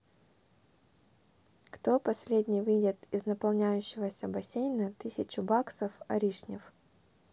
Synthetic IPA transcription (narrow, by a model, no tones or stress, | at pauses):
kt̪o̞pɐsʲlʲedʲnʲɪjvɨdʲɪt̪ɪznəpɐlˠnʲæjʉɕːɪvəsʲəbɐsʲejnət̪ɨsʲɪt͡ɕʊbaksəfɐ̰ɾʲiʂnʲɪ̰f